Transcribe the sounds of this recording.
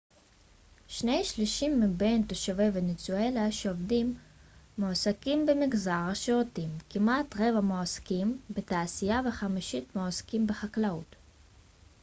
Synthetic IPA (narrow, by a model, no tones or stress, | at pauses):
ʃnejʃliʃimːibe̞jntoʃavevenit͡suelaʃeovdimː | oasakimbemiɡzaʁaʃeotimkimatʁe̞vamoaskimbetaːsijaveχamiʃitmoaskimbeχaklaut